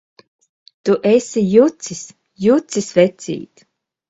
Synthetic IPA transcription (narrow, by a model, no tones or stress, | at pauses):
t̪uʔɛsʲijut̪sis | jut̪sisvɛt̪sʲḭːt̪